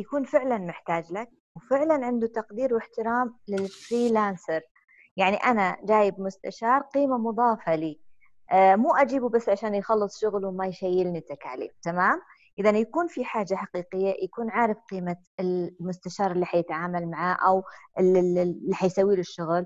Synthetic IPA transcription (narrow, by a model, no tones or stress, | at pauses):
jakuːnfɪʕlanmɪħt̪aːd͡ʒlak̚ | wfɪʕlanʕɪnd̪ut̪ɑqd̪iːɾwɪħt̪ɪɾaːmlɪlfɾiːlaːnsɑɾ | jaʕniʔanad͡ʒaːjɪbmʊst̪a̰ʃɑːɾˤqiːmamʊðˤɑːfɑliː | muːʔad͡ʒiːbubasːʕaʃaːnjxɑlːɨsˤʃʊɣlwmajʃajːɪlnɪt̪akʕa̰lḛːb̚t̪amaːm | ʔɪðanjakuːnfiħaːd͡ʒːaħaqiːqɪjːajakuːnʕaːɾɪfqiːma | ɪlmʊst̪aʃɑːɾˤɪlːiːħajɪt̪ʕaːmalmaʕaʔawʔɪllːiħajsawːiːlɪʃːʊɣl